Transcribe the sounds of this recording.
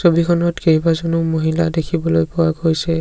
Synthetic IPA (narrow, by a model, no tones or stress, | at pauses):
sobikʰɔnɔtkejbazɔnumoɦiladekʰibɔlojpʊwaɡojsɛ